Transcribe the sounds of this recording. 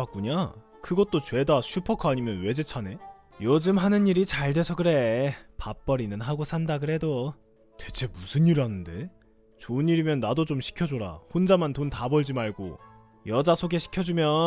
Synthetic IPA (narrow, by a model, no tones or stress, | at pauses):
ak͈uɲa | kɯɡʌt̚t͈ot͡ɕwe̞daɕʰupʰʌkʰʌaɲimjʌnwe̞d͡ʑe̞t͡ɕʰane̞ | jʌd͡ʑɯmɦanɯniɾit͡ɕaɭdwe̞sʰʌɡɯɾe̞pap͈̚ʌɾinɯnɦaɡosʰandaɡɯɾe̞do | twe̞t͡ɕʰe̞musʰɯnːiɾiɦanɯnde̞̰ | t͡ɕoɯɲiɾimjʌnːadot͡ɕomɕʰi̥kʰjʌd͡ʑoɾa̰hond͡ʑamantontabʌɭd͡ʑimaɭɡo̰ | jʌd͡ʑasʰoɡe̞ɕʰi̥kʰjʌd͡ʑumjʌ